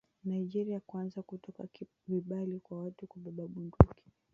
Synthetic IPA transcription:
naid͡ʒɛɾiakwanzakutɔka̰ | viɓalikwawatukuɓaɓaɓunduki̥

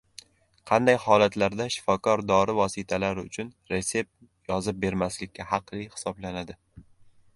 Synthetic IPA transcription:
qʰɑnd̪ajhɒlat̪laɾd̪aʃɪ̥fɒkʰɒɾd̪ɒɾɪvɒsɪt̪ʰalaɾɪʊt͡ʃʰʊnɾe̞se̞p̚ | jɒzɪp̚be̞ɾmaslɪkʲːahɑqlihɪ̥sɒblanad̪ɪ

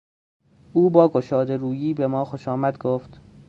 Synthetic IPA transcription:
ʔuːbɒːɡoʃɒːd̪e̞ɾuːjiːbe̞mɒːxoʃɒːmæd̪ɡoːft̪

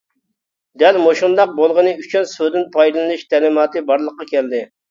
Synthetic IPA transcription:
d̪ɛlmoʃund̪ɑq̚bolˠʁənɨyt͡ʃʰynsød̪ɪnpʰɑjd̪ɨlˠnɨʃt̪ʰɛlɨmɑːt̪ɨbɑɾlˠəqːɑkʲʰɛld̪ɪ

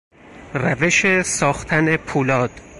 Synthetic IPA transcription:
ræveʃesɒːxt̪ʰæne̞pʰuːlɒːd̪̥

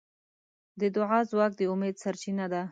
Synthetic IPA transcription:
d̪əd̪ʊʕɑzwɑk̚d̪əʊmed̪saɾt͡ʃinad̪a

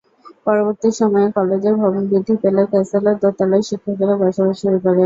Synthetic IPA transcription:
pɔɾoboɾt̪iʃɔmɔekɔled͡ʑeɾbʱɔbonbɾid̪ʱːipelaɾkɛsalaɾt̪ot̪alɔeʃikʰːakelabaɾʃabaʃuɾukoɾe

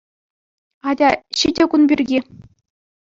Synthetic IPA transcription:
ɑdʲɑɕidʲɘ̆kunbʲirʲɡʲi

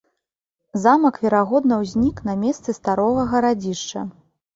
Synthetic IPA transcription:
zamɐkvʲɛɾaɣɔd̪nɐwzʲnʲiknɐmʲɛst̪sɨst̪aɾɔɣɐɣɐɾad͡zʲiʂt͡ʂɐ̰

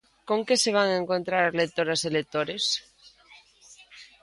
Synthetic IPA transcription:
koŋkeseβ̞aŋeŋkont̪ɾaɾlet̪oɾaselet̪oɾes

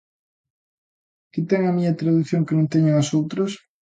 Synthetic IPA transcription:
kɪt̪ɛŋɐmiɲɐt̪ɾaðuθjoŋkenõnt̪ɛɲʊŋasowt̪ɾos

